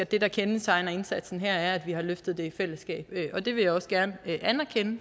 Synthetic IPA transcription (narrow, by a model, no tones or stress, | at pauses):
æd̥e̝d̥ɑ̈kʰensʰɑ̈ɪnɐe̝nsæd̥sn̩ɦæɐ̰æɐæd̥ʋihɑ̈løfd̥ð̞̩ˠd̥e̝ifel̰əsɡ̥ɛ̰ːb̥ʔɒ̽d̥e̝ʋe̝jɑ̈ɪɒ̽sɡ̥æɐnəʔænɐkʰenə